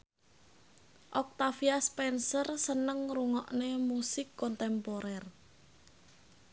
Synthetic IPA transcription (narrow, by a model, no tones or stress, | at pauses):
ʔɔk̚t̪afiaspɛnsərsənəŋruŋɔʔnemusɪkːɔnt̪ɛmpɔɾɛr